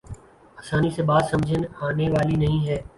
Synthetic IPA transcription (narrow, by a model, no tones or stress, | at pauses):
aːsaːniseɓaːd̪sɐmd͡ʒʱənaːneʋaːlinɐɦĩɦɛː